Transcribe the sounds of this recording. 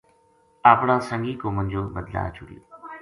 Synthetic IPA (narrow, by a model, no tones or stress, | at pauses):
aːpɳãːsəŋɡiːkoːmə̃ɲd͡ʒoːbəd̪la̰ːt͡ʃʊɽɪ̰jo̰ː